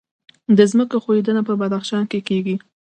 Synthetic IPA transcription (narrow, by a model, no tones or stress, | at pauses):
d̪əzməkoxoed̪ənapəbad̪axʃɑnkekeɡi